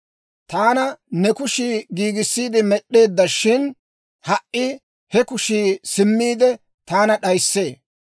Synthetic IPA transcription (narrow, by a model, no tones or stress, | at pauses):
t̪aːnɐnɛkʊʃiːɡiːɡɪsːiːd̪ɪmɛɗːe̞ːd̪ːɐʃɪn | hɐʔʔɪ | hɛkʊʃiːsɪmːiːd̪ɛ | t̪aːnɐɗɐjsːe̞ː